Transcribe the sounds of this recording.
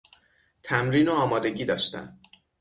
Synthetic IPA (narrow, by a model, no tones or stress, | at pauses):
t̪ʰæmɾiːnoɒːmɒːd̪e̞ɟiːd̪ɒːʃt̪æ̰m